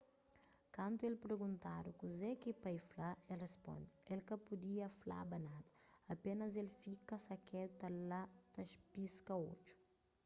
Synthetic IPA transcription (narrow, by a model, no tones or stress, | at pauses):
kɐ̃nt̪uelpɾeɡũnt̪aɾukuzɛkipajflaelrespõ̰nd̪ɪelkɐpud̪iɐfla̰bɐnad̪ɐ̥ɐpenɐzelfikɐsɐkɛd̪ut̪ɐlat̪ɐʃpiskɐo̰t͡ʃu̥